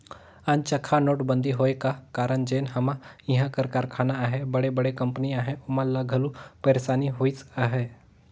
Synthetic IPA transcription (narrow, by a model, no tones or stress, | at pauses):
ant͡ʃɐkʰanoːʈbə̃nd̪ʱiɦoːekakaːɾəɳd͡ʒeːnɦɐmãiɦãkəɾkaːɾkʰaːnaaːɦebɐɽebɐɽekɐ̃mpniaːɦeʊmalaɡʱɐlupɐɾesaːniɦoːit͡saːɦe